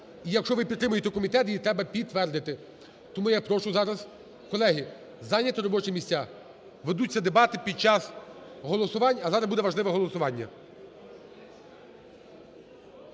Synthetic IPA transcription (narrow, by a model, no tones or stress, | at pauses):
ijɐkʃt͡ʃɔʋɪpʲid̪t̪ːɾɪmʊjet̪ɛkɔmʲit̪ɛt̪jit̪ɾɛbɐpʲid̪ʋɛrd̪ɪt̪ɪ | t̪ɔmujapɾɔʃʊzɑɾɐz | kɔlˠɛɦi | zɑnʲɐt̪ɔɾɔbɔt͡ʃɛmʲisʲt͡sʲa | ʋed̪ut͡sʲːɐd̪ebɑt̪ɪpʲid̪̚t͡ʃɑsɦɔlˠɔsʊʋɑnʲːɐzɑɾɐzbud̪ɛʋɐʒlˠɪʋɛɦɔlˠɔsʊʋɑnʲːɐ̰